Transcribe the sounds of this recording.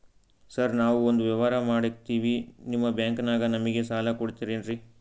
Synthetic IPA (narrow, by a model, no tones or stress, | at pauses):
sɐɾnaːʋuond̪uʋjɐʋaːɾɐmaːɽit̪iːʋinimːɐbjaːŋkɐnaːɡɐnɐmiɡe̞saːlɐkoɽit̪iːɾeːnɾi